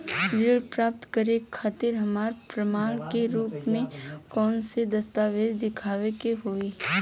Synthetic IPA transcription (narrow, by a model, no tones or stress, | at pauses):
d͡ʒɪɭpɾaːp̚t̪kəɾekʰːaːt̪ɪɾɦɐmaːɾpɾəmaːɭkeɾuːpmẽkɔːnsed̪ɐst̪aːʋeːd̪d̪ɪkʰaːʋekeɦoːeː